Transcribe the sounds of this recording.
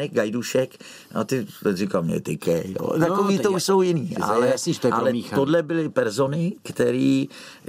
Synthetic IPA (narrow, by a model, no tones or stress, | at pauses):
nɪk̚ɡajduʃɛk | a̰t̪ɪt̪ɛrikalmɲɛ̰t̪ɪkɛjjo̰ːt̪akoviːt̪ouʃso̞wjɪniːʔa̰lɛalɛodlɛbɪlɪpɛɾzo̞nɪkt̪ɛɾiː